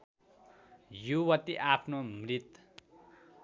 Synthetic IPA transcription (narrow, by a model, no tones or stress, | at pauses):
juwʌt̪iʔapʰnomrit̪